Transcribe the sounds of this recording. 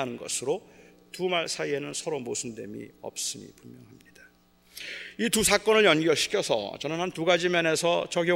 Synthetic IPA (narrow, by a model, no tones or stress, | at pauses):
anɯnɡʌsʰɯɾotumaɭsʰaie̞nɯnsʰʌɾomosʰɯnde̞̰mḭʌ̰p̚s͈ɯmḭpummjʌ̰ŋɦamɲid̥ḁ | itusʰak͈ʌnɯɭjʌnɡjʌɕʰi̥kʰjʌsʰʌ̰t͡ɕʌnɯnhantuɡad͡ʑimʌne̞sʰʌt͡ɕʌɡjʌ